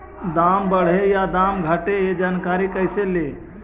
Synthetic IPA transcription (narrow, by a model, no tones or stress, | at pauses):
d̪aːmbəɽ̤ejad̪aːmɡʱəʈeed͡ʒaːnkaːɾikəɪsele